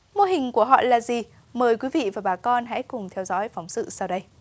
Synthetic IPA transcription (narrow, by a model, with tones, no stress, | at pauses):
mo˧ɦï˨˩ŋ̟ku˧˩əɦɔ̰˧˨laː˨˩zi˨˩ | məː˨˩jkwi˨˦vḭ˧˨vaː˨˩ɓaː˨˩kɔ˧nɦɛ̰˧˥kʊ˨˩ŋ͡mt̪ʰɛ˧wzɔ̰ː˧˥jfa˨˦wŋ͡msɨ̰˧˨saː˧wɗə˧j